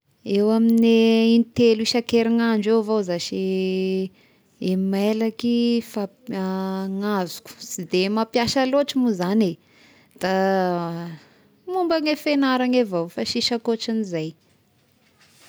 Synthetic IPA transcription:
ewamineint̪eluiʃakeɾiŋaɳɖ͡ʐewvozaʃe | emmelakifa | ŋazi̥ku̥sid̪emapjaʃaloʈ͡ʂimuzane | d̪̥a | mumbaŋefenaɾaŋevowfaʃiʃakoʈ͡ʂinizaj

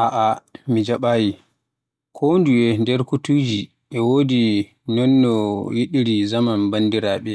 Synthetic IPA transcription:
ʔaʔamid͡ʒaɓaːji | kʰonduɛndɛɾkutud͡ʒi | ɓɛwoːdi | nɔnːɔjiɗiɾizamanbandiɾaːɓɛ

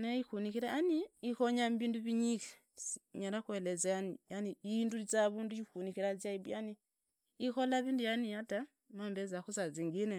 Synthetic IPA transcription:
naixunikiɾaaniikoɲambiːnduβiɲike̥ | sɲaɾakwelezaanijaniindulit͡saβuːnduikunikiɾazjaiβjani | ixolaβiːndujanijata | maːmbezakusaziŋɡine

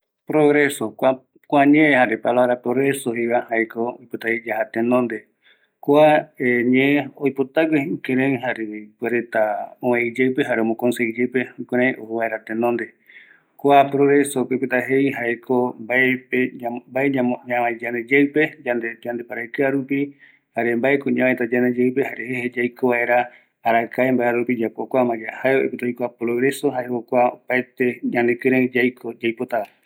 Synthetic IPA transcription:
pɾoɣɾesokʷa | kʷaɲẽẽhaɾepalaβɾapɾoɣɾesoɦiβahajkʰoojpot̪aed͡ʒahat̪ẽnõnd̪e | koaeɲẽeojpot̪akeikeɾẽĩɦaɾepweɾet̪aõẽid͡ʒewpeɦaɾeomõkonsed͡ʒepeukeɾẽʔohuβaeɾat̪enõnd̪e | koapɾoɣɾesopepet̪aɦejɦaekʰombaepeambaeaoɲãad͡ʒaned͡ʒewpe̞d͡ʒaned͡ʒand̪epaɾakɨaɾupi | haɾembaekoɲãmãet̪ad͡ʒaned͡ʒewp̬ehaɾehehed͡ʒajkoβae̞ɾaː | ɾakaembaeɾaɾupid͡ʒapokʷamãd͡ʒahaeoḛpet̪ajkoapɾoɣɾe̞so̞ɦaeokʷaopaet̪e̞ɲãnekɨɾed͡ʒajkod͡ʒajpot̪aa

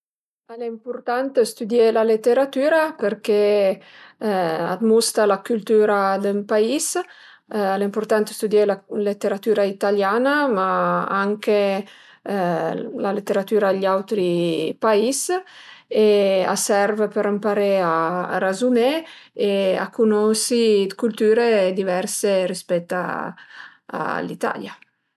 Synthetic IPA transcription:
aleimpuɾt̪ant̪st̪ud̪jelalet̪ːeɾat̪yːɾapəɾke | a̰d̪must̪alakylt̪yːɾad̪əmpais | alimpuɾt̪ant̪ə̥st̪ud̪jelalet̪ːeɾat̪yːɾait̪aljanamaaŋke | lalet̪ːeɾat̪yːɾaʎawt̪ɾipais | ea̰sɛɾvepəɾampaɾea̰ːrazumeea̰kʰunɔsikult̪yːɾed̪ivɛrserispɛt̪ːa̰ | a̰lit̪a̰lja

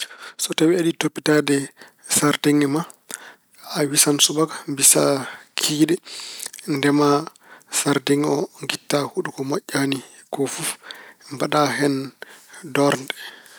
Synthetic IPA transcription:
sɔtawiaɗitopːitadɛ | saɾdiŋɛma | awisansubakḁmbisakʰidɛ | ndɛma | saɾdiŋɛɔŋɡitːahuɗukɔmaʔːani | kɔfufmbaɗaɦɛn | dɔɾndɛ

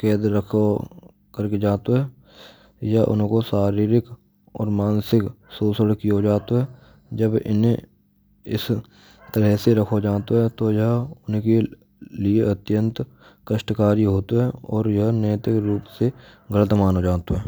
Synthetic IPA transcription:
kɛːd̪ɾəkʰo | kəɾked͡ʒaːt̪oɦɛː | jaʔʊ̰nkosaːɾiːɾɪk | ɔ̰ːɾmaːnsɪksuːsəɽkijod͡ʒaːt̪oɦɛ | d͡ʒəbɪ̰ne | ɪ̰s | t̪əɾɛɦseɾəkʰod͡ʒaːt̪oɦɛt̪ojəɦʊnke | lieət̪jə̃nt̪ | kəʃʈkaːɾiɦoːt̪ɦɛɔːɾjɐɦnɛːt̪ɪkɾuːpseɡələt̪̬maːnod͡ʒaːt̪oɦɛː

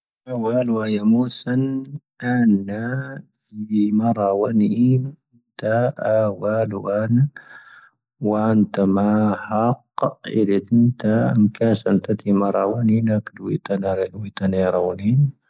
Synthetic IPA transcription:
awaːlwajamusan | anːa | mɑɾˤɑwanin | t̪aawalwana | want̪amahaqːḭdet̪int̪amkasant̪at̪imɑɾˤɑwaninakdwit̪anaɾdwit̪aneɾawnin

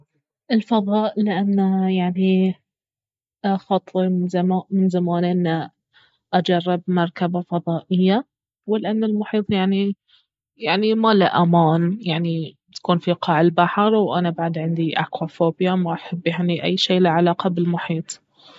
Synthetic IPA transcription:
ʔɪlfɑðˤɑːʔlɪʔanːajaʕni | xɑt̪ˤizamamɪnzamaːnʔɪnːa | ʔad͡ʒɑrˤːɪbmɑɾˤkabafɑðˤɑːʔɪjːa | wɪlʔanːɪlmʊħiːt̪ˤjaʕni | jaʕnimalɪ̰ʔamaːnjaʕni | t̪ḁkuːnfiqɑːʕɪlbaħɑɾˤwʔanabaʕd̪ʕɪnd̪iʔa̰kwafoːbjamaʔaħabːjaʕniʔa̰jːʃiːlɪʕalɑːqɑbɪlmʊħiːt̪ˤ

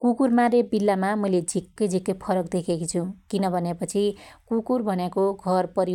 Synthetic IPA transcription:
kukurmaɾebilːamamʌjled͡zʱikːʌjd͡zʱikːʌjpʰʌɾʌkd̪ekʰekit͡sʰukinʌbʱʌnepʌt͡sʰikukurbʱʌnjekoɡʱʌrpʌɾi

